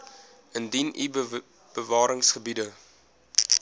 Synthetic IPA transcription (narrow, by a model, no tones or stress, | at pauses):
əndinḭ | b̥əvɑːɾəŋsχəbidə